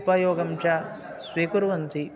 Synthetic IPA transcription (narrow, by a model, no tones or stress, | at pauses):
pɐjoːɡɐmt͡ʃa | sʋiːkuɾʋɐnt̪i